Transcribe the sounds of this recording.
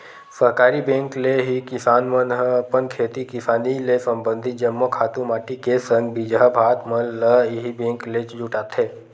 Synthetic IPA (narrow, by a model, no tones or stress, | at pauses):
səɦkaːɾibẽːŋkleɦikɪsaːnmənɦpənkʰeːt̪ikɪsaːnilesə̃mbə̃nd̪ʱɪt̪̚d͡ʒəmːokʰaːt̪ũmaːʈikesə̃ŋɡbid͡ʒɦabʱaːt̪məlːəɦibẽːŋklet͡ʃd͡ʒʊʈaːt̪ʰeː